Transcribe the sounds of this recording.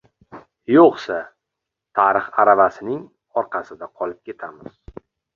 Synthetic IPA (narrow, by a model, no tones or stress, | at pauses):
joqsa | t̪ʰaɾɨχaɾavasɪnɪŋ | ɒɾqʰɑsɪd̪aqʰɒlɪp̚kʲʰe̞t̪ʰamɪz̥